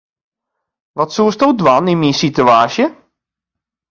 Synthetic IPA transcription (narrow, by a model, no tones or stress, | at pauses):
ʋɔtsuəstowdwaninminsityaːsjə